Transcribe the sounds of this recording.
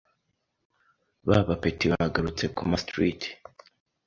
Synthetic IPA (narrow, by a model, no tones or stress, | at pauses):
βaβapetiβahaɡaɾut͡se̞kumastɾit